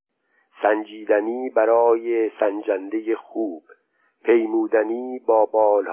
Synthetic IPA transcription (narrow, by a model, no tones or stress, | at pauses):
sænd͡ʒiːd̪æniːbæɾɒːjesænd͡ʒænd̪e̞jexuːb̥ | pʰe̞jmuːd̪æniːbɒːbɒːlh